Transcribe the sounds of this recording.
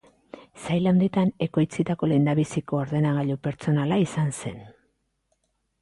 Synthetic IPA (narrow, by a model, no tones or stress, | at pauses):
sajlawnd̪it̪ane̞ko̞jt͡sit̪ako̞le̞nd̪aβisiko̞ːɾðe̞naɣ̞aʎupe̞ɾt͡so̞nalaisanse̞n